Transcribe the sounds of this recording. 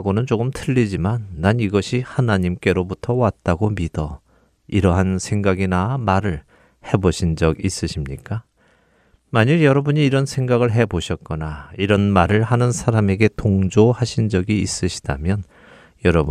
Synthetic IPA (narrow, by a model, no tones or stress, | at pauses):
ɡonɯnt͡ɕ͈okɯmtʰɯʎːid͡ʑimanːaniɡʌɕʰihanaɲimk͈e̞ɾobutʰʌwat̚t͈aɡomidʌ | iɾʌɦansʰe̞ŋɡaɡinamaɾɯɭ | he̞boɕʰind͡ʑʌɡis͈ɯɕʰimɲik͈a | maɲɯjʌɾʌbuɲiːɾʌnsʰe̞ŋɡaɡɯɭɦe̞boɕʰʌt̚k͈ʌnaiɾʌnmaɾɯɭhanɯnsʰaɾame̞ɡe̞toŋd͡ʑohaɕʰind͡ʑʌɡiːs͈ɯɕʰi̥da̰mjʌn | jʌɾʌbu